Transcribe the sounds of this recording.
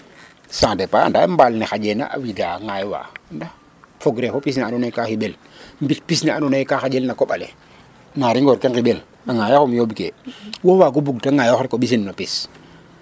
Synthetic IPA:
sãŋdepaa̰ndambalnexad͡ʒena̰ʔa̰widaːŋajwa̰ːnda | foɡɾefopis̬nianunajkaxiɓel | mbitpisnianunajkaxad͡ʒelnakoɓalḛ | naɾiŋɡɔːɾkeŋkiɓel | aŋajakumjobikḛwowaːɡubuɡtaŋajɔxɾikoɓis̬inːopis

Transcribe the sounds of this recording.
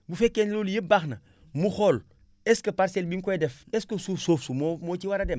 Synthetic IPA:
bufekːenloljəbaxnɐ | muxol | eskɐpaɾselbiŋkoedefeskosufsofsumomot͡ʃiwaɾadem

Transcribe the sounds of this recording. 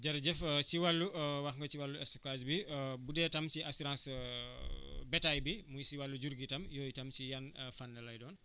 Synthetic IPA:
d͡ʒɐɾɟɛfsiwalːuwɐxŋɡɐt͡ʃiwalːuɛskwasbibudɛːtɐmt͡ʃiasiɾãːns | bɛtajbimujsiwalːuɟuɾɡitɐmjoːjitɐmt͡ʃijanfanːlɐlɐjdɔːn

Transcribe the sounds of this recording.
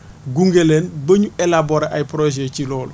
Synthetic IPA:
ɡuŋɡelɛnbɐɲuɛlabɔɾaʔajpɾoʒɛcilɔːl

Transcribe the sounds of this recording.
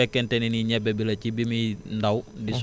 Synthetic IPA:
ɛkɛntɛniniɲabɛbilat͡ʃibimindawdis

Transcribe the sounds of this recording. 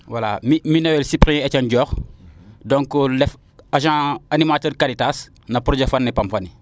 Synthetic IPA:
walamiminowelsipɾĩecanɟɔːx | dõŋkolɛf | aʒãːanimatəːɾkaɾitas | nɐpɾod͡ʒefanːipamfani

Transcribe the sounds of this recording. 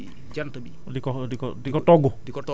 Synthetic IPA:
d͡ʒant̪ɔbi | dikɔdikɔdikɔtɔɡodikɔtɔ

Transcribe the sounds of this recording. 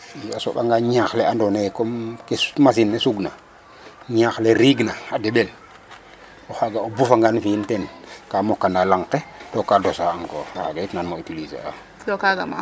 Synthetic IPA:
iaso̰ɓa̰ŋɡaɲaxleandonekomkesmas̬inːesuɡna | ɲaxleɾiɡnaadeɓel | ohaɡaobufaŋɡanfintenkamokːandalaŋketokadosaaŋko̰faɡaitnanmoitilisḛa̰ | dokaɡama̰

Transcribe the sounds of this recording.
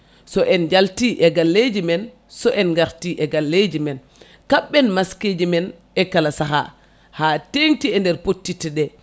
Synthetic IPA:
sɔʔɛnd͡ʒaltiʔɛɡalːed͡ʒimɛn | sɔʔɛnɡaɾtiʔɛɡalːed͡ʒimɛn | kaɓːɛnmasked͡ʒimɛn | ɛkalasaɦa̰ | haːteŋtiɛndɛɾpotːitiɗɛ

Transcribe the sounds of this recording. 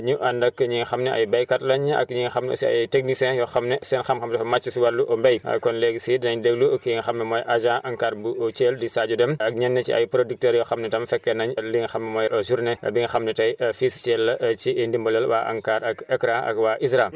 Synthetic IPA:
ɲuʔandɐkːɐɲiŋxɐmnɛʔɐ̰jbajkatlɐɲɐ̰kɲiŋxɐmnɛo̰siɐ̰jteknisɛ̃ːjɔxɐmnesɛːnxɐmxɐmtɛfɐmat͡ʃːisiwalːuʔombɐjɐ̰kɔnleɡsidinɐɲdeɡluɐkiŋxɐmnɛmojʔaʒãʔɐŋkaːɾbuot͡ʃeldisaːɟudɛmɐk̚ɲɛnːet͡ʃḭɐ̰jpɾodik̚tɛːɾjɔxɐmnɛtɐmfɛkːɛnɐɲɐliŋxɐmnɛmɔːjʔɐzuɾneɐ̰biŋxɐmnɛtɐjɐfist͡ʃɛlːɐt͡ʃindimbolɛlwa̰ːʔa̰ŋkaːɾɐkɛkɾaɐ̰kwaʔisɾam

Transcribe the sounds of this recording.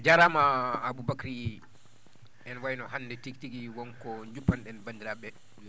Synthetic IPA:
d͡ʒaɾamaːbubakɾi | ɛnwajnɔɦanːdɛtiktiɡiwɔnkɔɲd͡ʒupːanɗɛnbandiɾabɛ

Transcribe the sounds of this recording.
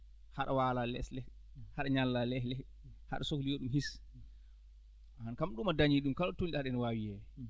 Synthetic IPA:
haɗawaːlalɛ̰slɛ | haɗaɲalːalɛhlɛ | ha̰ɗasoklijoɗumhis | ankamɗumadaɲiɗumkalɔtoniɗaɗɛnwawijɛ

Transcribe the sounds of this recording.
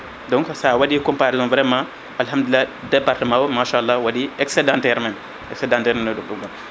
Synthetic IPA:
dɔ̃ŋksawadikumpaɾizɔ̃nvɾema | alhamd̪ulːadepaɾtəmawmaʃalːawadieksedãnteɾmen | eksedãnteɾmenodukdukdum

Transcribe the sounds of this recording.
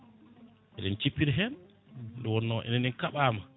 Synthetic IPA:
ʔɛɗɛnt͡ʃipːiɾɦɛn | dɔwɔnːɔʔɛ̰nɛnɛnkaɓaːma

